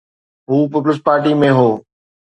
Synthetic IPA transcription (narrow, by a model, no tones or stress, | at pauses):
ɦuːpip̬ləspaːɾʈimẽɦoː